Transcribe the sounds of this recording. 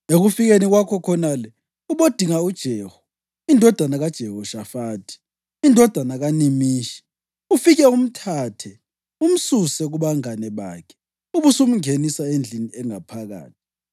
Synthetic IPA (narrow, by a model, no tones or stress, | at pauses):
eɣufiɣeniɣwakʰɔkʰɔnalɛ | uβod̥ʱiŋaud̥ʒ̥ʱɛːhɔ | indʱɔd̥ʱanaɣad̥ʒ̥ʱɛhɔʃafaːtʰi̥ | indʱɔd̥ʱanaɣanimiːʃɛ̥ | ufiɣɛum̩tʰatʰɛ | um̩susɛɣuβaŋanɛβa̰ːkʰɛ̥ | uβusum̩ŋenisaend͡ɮʱiniɛŋapʰaɣa̰ːtʰi̥